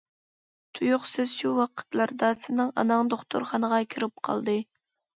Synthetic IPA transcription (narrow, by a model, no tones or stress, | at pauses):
t̪ʰujʊχsɪzʃuwɑqʰə̥t̪lˠɑɾd̪ɑsɨnɨŋɑ̰nɑŋd̪oχt̪ṵɾχɑnəʁɑkʲʰiɾɪp̚qʰɑ̰lˠd̪ɨ